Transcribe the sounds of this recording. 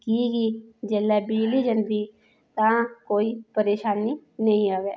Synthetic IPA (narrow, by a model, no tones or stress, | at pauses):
kiːɡiːd͡ʒeːlːɛːbiːliːd͡ʒənd̪iː | t̪ãːkoːiːpəɾeːʃaːniːnəĩːaːʋeː